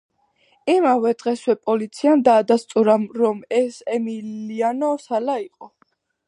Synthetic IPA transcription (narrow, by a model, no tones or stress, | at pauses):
imavɛd̪ʁɛswɛpʼɔlit̪sʰiand̪aːd̪ast̪ʼuɾamɾɔmɛsɛmilianɔsalaiqʼɔ